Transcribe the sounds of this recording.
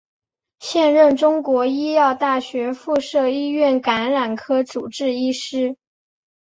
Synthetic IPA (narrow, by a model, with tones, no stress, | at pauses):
ɕjɛ˥˧nɻə˥˩nʈ͡ʂʊ˥ŋkwɔ˧˥i˥jɑ˥˧ʊt̪a˥˩ɕɥɛ˧˥fu˥˧ʂɤ˥˧i˥ɥɛ˥˩nka˧˥nɻa˨˩nkʰɤ˥t͡su˨˩ʈ͡ʂɻ̩˥˧i˥ʂɻ̩˥